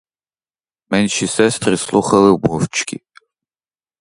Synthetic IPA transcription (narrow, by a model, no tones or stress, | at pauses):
mɛnʲʃisɛst̪rɨslˠuxɐlˠɪbɔvt͡ʃʰkʰʲḭ